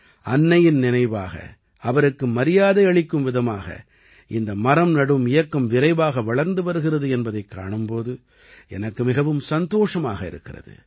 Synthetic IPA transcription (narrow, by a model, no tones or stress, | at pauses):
ɐnːɐjɪnnɪnɐɪʋa̰ːɣɐ̰ | ɐʋɐɾɯkːɯmɐɾɪjaːðɐɐɭɪkːɯmʋɪðɐmaːɣɐ̰ | ʔɪnd̪ɐmɐɾɐmnɐɽɯmɪjɐkːɐmʋɪɾɐɪʋaːɣɐʋɐɭɐɾnd̪ɯʋɐɾɯɣɪrɐðɯɛnbɐðɐɪkːa̰ːɳɯmpoːðɯ | ɛnɐkːɯmɪɣɐʋɯmsɐnd̪oːʂɐma̰ːɣɐɪ̰ɾɯ̰kːɪrɐ̰ðɯ̰